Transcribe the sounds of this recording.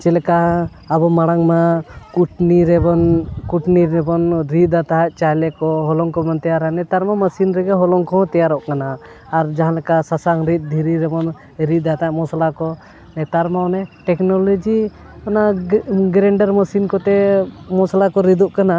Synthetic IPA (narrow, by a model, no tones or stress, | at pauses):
t͡ʃɛlɛkaː | bɔmaɽ̃aŋmakuʈniɾɛbɔnkuʈniɾɛbɔnɾit̪at̪aɦaʔ̚t͡ʃajlɛkɔɦɔlɔŋkɔbant̪ɛjaɾanɛt̪aɾmaməsinɾɛɡɛɦɔlɔŋkɔɦɔ̃t̪ɛjaɾɔʔkanaː | ɾd͡ʒaɦãlɛkasasaŋɾit̪̚ˀd̪ʱiɾiɾɛbɔn | ɾit̪̚ːat̪aʔmɔsalakɔ | nɛt̪aɾmaɔnɛʈɛknɔlɔd͡ʒi | ɔnaɡɾɛɳɖaɾməsinkɔt̪ɛmɔsalakɔɾid̪uʔkana